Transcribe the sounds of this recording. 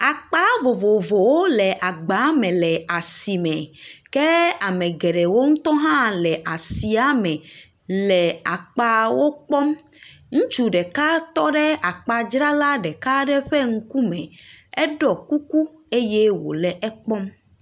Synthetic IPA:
a˨k͡pa˦vo˨vo˨vo˨wo˦lɛ˨ʔa˨ɡ͡ba˨˦mɛ̃˨lɛ˨a˨si˨mɛ̃˨kɛ˦a˨mɛ̃˨ɡɛ˨ɖɛ˨wo˦ŋũ˦t̪ɔ˦ɦã˦lɛ˨ʔa˨si˨a˦mɛ̃˨ | lɛ˨a˨k͡pa˦wo˦k͡pɔ˦mŋũ˦t͡ʃu˨ɖɛ˨ka˦t̪ɔ˦ɖɛ˦a˨k͡pa˨d͡ʒɾa˦la˦ɖɛ˨ka˦ɖɛ˦ɸɛ˦ŋ̩˦ku˦mɛ̃˨ɛ˦ɖɔ˨ku˦ku˦ | e˦je˦wo̰˨lɛ˨ʔɛ˦k͡pɔ˦m

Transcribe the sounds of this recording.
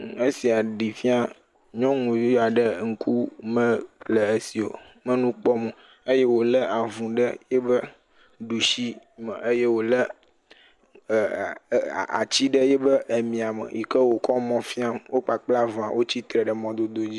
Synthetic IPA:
e˦si˨a˨ɖi˨fi˦a˦ | ɲɔ̃˦ŋũ˨ja˨ɖə˦ŋ̩˦kʰu˦mə̃˦lə˨e˦si˨o̰˨ | mə̃˦nũ˦k͡pɔ˦mə˨ | ə˦je˦wo˨lə˦ʔa˨vũ˨ɖə˦jɛ˦bə˦ | ɖu˨ʃi˦ | mə̰˨ʔə˦je˦wo˨lə˦˨ | a̰˨t͡ɕi˦ɖə˦jɛ˦bə˦ʔə˨mĩ˨a˨mə̰˨jḭ˨kə˦wo˨kɔ˦mɔ̃˦fĩ˦a˦mwʔo˦k͡pa˨k͡pla˦ṽã˨wʔo˦t͡ɕi˦t̪ɾə˨ɖə˨mɔ̃˨d̪o˨d̪o˦d͡ʑi˦

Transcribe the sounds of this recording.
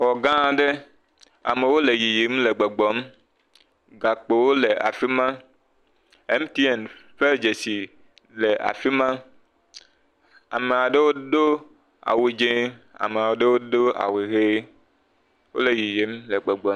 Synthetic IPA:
wɔ˨ɡã˦˨ɖe˦ | a̰˨me˨wo˦le˨ji˨je˨˦mle˨ɡ͡bɔ˨ɡ͡bɔ˨˦m | ɡa˨k͡po˨wo˦le˨ʔa̰˨fi˦mã˦ | e˦m˦t̪i˦ɛ˨nfe˦ld͡ʒe˨si˨ | le˨ʔa̰˨fi˦mã˦ | a˨me˨a˨ɖe˦wo˦ɖo˦ | a̰˨we˨d͡ʒẽ˦ | a̰˨me˨a˨wo˨ɖe˦wo˦ɖo˦a̰˨we˨ɣe˦ | wo̰˦le˨ji˨je˨˦mle˨ɡ͡bɔ˨ɡ͡bɔ˨˦

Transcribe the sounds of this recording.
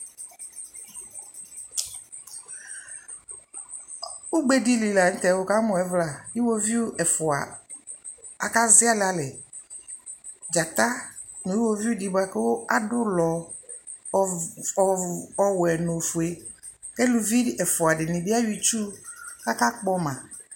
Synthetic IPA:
ʊ˦ɡ͡be˦di˦li˨la˨n̩˦t̪ɛ˨˦wo˦ka˦mʊ̃˨ɛ˨˦vla˨i˦wo˦vi˦u˦ʔɛ˨fʊ˨a̰˨ | a˨ka˦zɪ˦a˦la˨lɛ˨ | d͡ʒa˨t̪a˦ | nʊ˨˦i˦wo˦vi˦u˦di˨ba˦kɛ˦wo˦a˦dʊ˦lɔ˨ | ɔ˨wɛ˨no˨fʊ˨e˨ | kɛ˦lu˨vi˦ɛ˨fʊ˨a˨dɪ˨nɪ̃˨dɪ˦a˦ɥi˨t͡ʃu˦ka˦ka˦k͡pɔ˦mã˨

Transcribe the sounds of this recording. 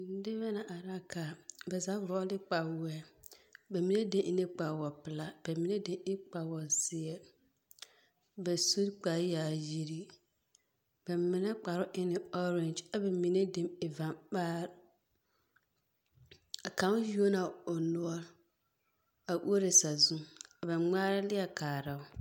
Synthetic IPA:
n̩˦dɪ˦βɛ˦na˨ʔa˨ɾa˦kʰa˨bɛ˨za˨˦ɡʊ˨ɾɔ˦ɔ˦dɪ˦k͡pa˨wɛ˨bɛ˨mi˨ne˦de˦ʔɪ˦nɪ˦k͡pa˨wɔ˨pɪ˨la˦b̥ɛ˨mi˨ne˦de˨ɪ˦k͡pa˨wɔ˨zɪ˨ɛ˦ | bɛ˨su˦ɾk͡pa˨˦ja˨ji˦ɾi˦ | b̥ɛ˨mɪ˨nɛ˦k͡pa˨ɾʊ˦ʔɪ˦nɪ˨ɔ˦ɾɛ˨nd͡ʒa˨bɛ˨mi˨ne˦de˨mɪ˨va˨mbaː˦ɾ | a˨ka˨˦ju˦o˦na˨ʊ˨nʊ˦ɔ˦ɾ | a˨ʔu˦o˦ɾe˨sa˨zu˦a˨ba˨ŋ͡maː˦ɾɪ˦lɪ˦a˨kaː˨ɾa˨ʊ˦

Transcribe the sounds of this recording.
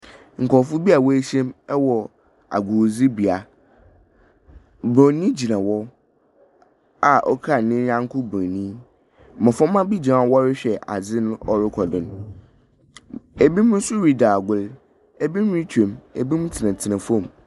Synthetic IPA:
ŋ̩˨kʰɔ˨fʊ˦bi˦a˨wɔ˦e˦ɕɛ̃˦mɛ˦wɔ˨ | a̰˨ɡʊ˨d͡zi˦bi˨a˨ | bɔ̃˨nĩ˦d͡ʑi˨nã˨wɔ˦ | a˨ʔɔ˦kʰa˦˨nɪ̃˦ɾã˦ŋ˦kʰʊ˦bɔ̃˨nĩ˦ | mã˨fɔ̃˦ã˦bi˦d͡ʑi˨nã˨˦wɔ˦ɾɪ˦ɕᶣɛ˨ʔa˨d͡zɪ˦nʊ̃˦ɔ˦ɾɪ˦kʰɔ˨dʊ̃˨n˨ | e˨bi˦mʊ̃˦sʊ˦ɾi˦daː˨ɡʊ˦l | e˦bi˦m˦ĩ˦t͡ɕʰẽ˨me˨bi˦mũ˦tʰɪ˨nã˨tʰɪ˨nã˨fɔ̃˦˨m

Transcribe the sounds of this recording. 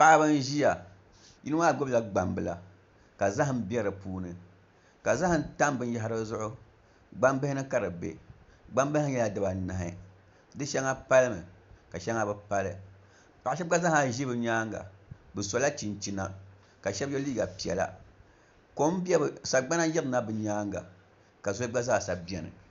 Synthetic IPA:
pa˦ʔa˦bɨ˦n˦ʒi˦ja˨ | ji˦nɨ˦ma˦˨ɡo˦bɨ˦la˨ɡ͡ba˨mbɨ˨la˨ | ka˨za˦ɦɨ˦m˦bi˦ɛ˦ɾɨ˨puː˦nɨ˨ | ka˨za˦hɨ˦nta˦m˦bɨ˦n˦ja˨ɦa˦ɾɨ˦zʊ˦ʔʊ˦ | ɡ͡ba˦mbɨ˦hɪ˦nɨ˦ka˦ɾɨ˨bḛ˨ɡ͡ba˦mbhɲɛ˦la˨dɨ˨ba˨na˨ɦɪ̰˦ | dɨ˦ʃɛ˦ŋa˦pa˦lɨ˦mɨ˨ka˨ʃɛ˦ŋa˦bɨ˦pa˦lɨ˦ | pa˨a˨ʃ̬ɛ˦ɡa˦za˦ha˨ʒi˦bɨ˨ɲaː˦ŋɡa̰˨bɨ˨so˨la˦t͡ʃi˨nt͡ʃi˦na̰˨ | ka˨ʃɛ˦bjɛ˦liː˦ɡa˨pi˨ɛ̰˨la̰˦ | ko˦m˦bi˦ɛ˦bɨ˨sa˨ɡ͡ba˦na˦jɛ˦bna˦bɨ˨ɲaː˦ŋɡa̰˨ | ka˨zo˦ɡ͡ba˦za˦˨sa˨bi˦˨ɛ˨nɨ̰˨

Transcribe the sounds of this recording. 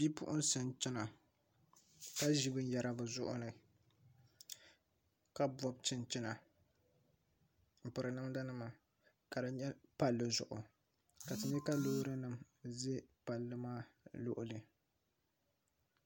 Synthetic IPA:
bi˦pʊ̰˦ʔʊ˦nsɨ˦nt͡ʃɪ˦na˨ | ka˦ʒi˦bɨ˦n˦ja˨ɾʔa˦bɨ˨zʊ˦ʔʊ̰˦nɨ˨ | ka˦bɔ˦b̚t͡ʃɪ˦nt͡ʃɪ˦na˨ | m̩˨pɨ˨ɾɨ˨nɨ˦mda˦nɨ˦ma˨ | ka˨dɨ˦ɲɛ˦pa˦lːɨ˦zʊ̰˨ʔʊ˨ | ka˨tɨ˨ɲɛ˦ka˦loː˦ɾɨ˦nɨ˨m | zɛ˦pa˨lːɨ˦maː˦lʊ̰˦ʔʊ˦lɨ˨

